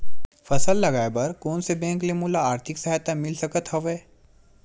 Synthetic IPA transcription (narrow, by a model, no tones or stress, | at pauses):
fəsəlːɐɡajbəɾkoːnsebɛ̃ːŋklemulaːɾt̪ʰiksəɦajt̪amɪlsəkət̪ɦəʋeː